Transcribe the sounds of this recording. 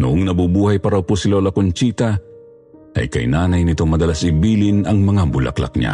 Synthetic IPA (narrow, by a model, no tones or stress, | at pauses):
nʊʔoŋnɐbubuːhɐjpɐɾawposɪlolɐkont͡ʃiːt̪ɐ | ɐ̰jkɐ̰jnaːnɐjnɪt̪o̞ŋmɐd̪ɐlasɪbiːlɪnɐŋmɐŋabʊlʔa̰klɐ̰k̚ɲa̰